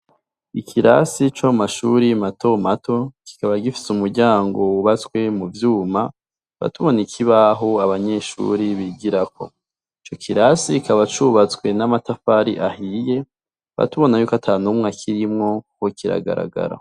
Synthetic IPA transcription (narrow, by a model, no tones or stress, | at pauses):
ikʰiɾasit͡ʃamaʃuɾimato̞mato̞ki̥kaβaɡifi̥sumuɾɟaːŋɡo̞uβat͡swe̞muvjuːma | βa̰tuβo̞nikʰiβaɦoaβaɲe̞ʃṵɾiβiɡiɾako̞̰ | it͡ʃo̞kʰiɾasikʰaβat͡ʃuβat͡skwe̞namatafaɾḭʔahije̞ | βa̰tuβo̞najukatʰaːnumŋakʰiɾimŋo̞kokiɾa̰ɡa̰ɾa̰ɡa̰ɾa̰